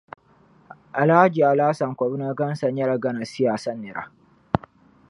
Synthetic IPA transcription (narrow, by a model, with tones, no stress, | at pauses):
ʔa˨la˦d͡ʒiː˨ʔa˨laː˦sɐ˨ŋkʷɔ˨bu˦na˦ɡɐ˦nsɐ˨ɲjɐ˦ɽa˨ɡɐ˦na˨sɪ˦jaː˨sɐ˦nːɪ˨ɾa̰˦